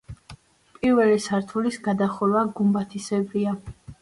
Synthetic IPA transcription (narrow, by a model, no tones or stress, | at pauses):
pʼiɾvɛlisaɾt̪ʰulisɡad̪aχulˠvaɡumbat̪ʰisɛbɾia